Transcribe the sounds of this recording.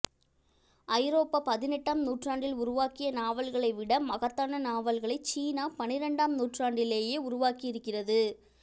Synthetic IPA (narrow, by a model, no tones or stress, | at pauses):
ʔɐɪɾoːpːapɐðɪnɛʈːaːmnuːʈraːɳɖɪlʊɾʊʋaːkɪjɐnaːʋɐlɣɐɭɐɪʋɪɽɐmːɐɣɐt̪ːaːnɐnaːʋɐlɣɐɭɐɪt͡ʃiːnaːpɐnɪɾɛɳɖaːmnuːʈraːɳɖɪleːjeːʊɾʊʋaːkɪjɪɾɯkːɪrɐðɯ